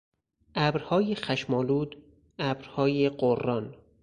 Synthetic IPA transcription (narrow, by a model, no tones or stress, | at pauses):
ʔæbɾhɒːjexæʃmɒːluːd̪ | æbɾhɒːjeɢorːɒn